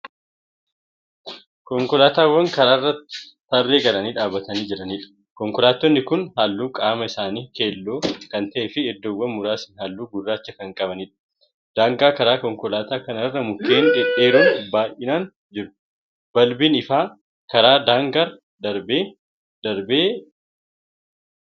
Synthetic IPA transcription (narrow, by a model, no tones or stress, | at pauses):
kɔŋkɔlaːt̪aːwːɐŋkɐɾaːrːɐt̪ːɪ̥ | t̪ɐrːeːɡɐlɐniːᶑaːbːɐt̪ɐniːd͡ʒɛᶑɐniːᶑɐ̥ | kɔŋkɔlaːt̪ːɔnːɪkʊnhaːlːuːkʼaːmɐɪsaːniːke̞ːlːoːkɐnt̪ɐʔeːfɪɛd̪ːowːɐnmʊɾaːsɪnhaːlːuːɡʊrːaːt͡ʃːɐkɐŋkʼɐbɐniːᶑɐ̥ | d̪̥aːŋɡaːkɐɾaːkɔŋkɔlaːt̪aːkɐnɐrːɐmʊkːeːnᶑɪᶑe̞ːɾɐnbaːjʔʔɪnaːn | d͡ʒɪɾʊ̥ | b̥ɐlbiːnɪfaː | kɐɾaːd̪aːŋɡɐɾ | d̪ɐɾbeː | d̪ɐɾbeː